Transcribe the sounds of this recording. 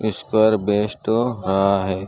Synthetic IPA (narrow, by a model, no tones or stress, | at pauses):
ɪskɐɾbeːʃʈ̪oɾɐɦaɦɛː